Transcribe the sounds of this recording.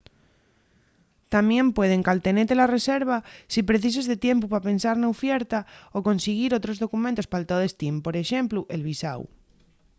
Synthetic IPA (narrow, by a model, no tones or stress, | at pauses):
t̪amjẽ̞mpwe̞ð̞eŋkalt̪e̞net̪elare̞seɾβ̞asipɾe̞θis̬ozðe̞t̪je̞mpupape̞nsaɾnaufjeɾt̪aoko̞nseɣ̞iɾot̪ɾo̞zðo̞kumẽnt̪o̞spalt̪aðest̪impo̞ɾe̞ʃe̞mpluʔe̞lβisa̰w